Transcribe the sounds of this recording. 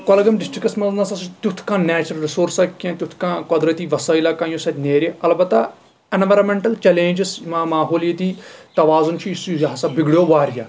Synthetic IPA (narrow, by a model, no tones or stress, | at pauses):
kolɡɐmɖɪsʈɾɪkɐsmɐlnaːsɐst̪ut̪ʰkãːnɛːt͡ʃɐɾɐlɾɪsoːɾsɐkãːt̪jut̪ʰkãːkɐd̪ɾɐt̪iːʋɐsaːilaːkãːjõːsɐt̪ʲneːɾʲeɐlbɐt̪ːa | ɐnʋɐɾɐmẽɳʈɐlt͡ʃɛlẽːnd͡ʒɪsmamaːɦoːljet̪iːt̪ɐʋaːzʊnt͡ʃʰiisjɦsabɪɡɽjoːʋaːɾja̰ː